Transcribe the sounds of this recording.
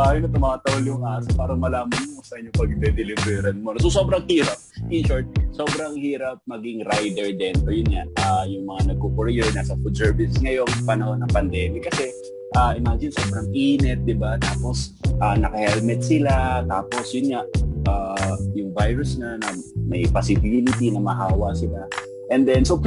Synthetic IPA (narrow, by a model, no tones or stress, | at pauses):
ajʊnɐt̪ʊmaːt̪ɐʊljʊŋʔaːsɐpaːɾɐmɐlaːmɐnmosɐʔɪɲːʊŋpɐɡ̚d̪ɛd̪ɛlɪbɾɛɾɐnmonɐsos̬o̞ːbɾɐŋhiːɾɐp̚ʔɪnʃoɹt̪̚so̞ːbɾɐŋhiːɾɐp̚mɐɡɪŋɾajd̪ɛɹd̪ɛnt̪ojʊnŋaʔʔajʊŋmɐŋanɐɡ̚kokʊɾjɛɹnaːsɐfʊd̪sɛɹbɪssŋɐjo̞ŋpɐnɐho̞nːɐŋpɐnd̪ɛːmɪɐkɐsɛ | ʔaʔɪmaːd͡ʒɪnso̞ːbɾɐŋpiːnɛt̪̚d̪ɪbat̪aːpo̞s | ʔaːnɐkɐhɛlmɛt̪̚sɪlat̪aːpo̞sjʊnŋaʔʔaːjʊŋvajɹʊsnanɐmɐjpɐsɪbilɪt̪inɐmɐhaːwɐsɪla | ʔɛnd̪ɛnso